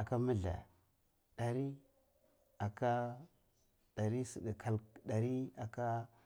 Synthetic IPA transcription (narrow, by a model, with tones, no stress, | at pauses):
a˨ka˦mə˦ɮa̰˨ | ɗa˨ɾi˦ | a˨ka˦ | d̥a˨ɾi˦si˨di˨kʰa˨lɗa˨ɾi˦a˨ka˦